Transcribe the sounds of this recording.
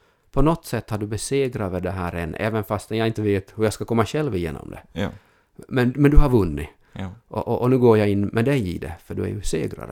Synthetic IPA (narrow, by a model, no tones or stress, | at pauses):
pʰɔnɔt̪ːsɛt̪ːhaɖɵbɛseːɡɾavɛd̪ɛɦæːɾɛnːʔɛ̰ːvənfast̪ɛnjaɡɪnt̪əveːt̪hɵjaskakʰɔmːaɕɛlvɪjḛːnɔ̰md̪ɛ̰ | mɛnmɛnd̪ɵhaɾvɵnːɪ | ʔɔʔɔʔɔnʉ̟ːɡoːɾjaɪnːmʔɛd̪ɛjɪ̰d̪ɛ̰fœɖɵæ̰ɾjɵsḛːɡɾa̰ɾə̰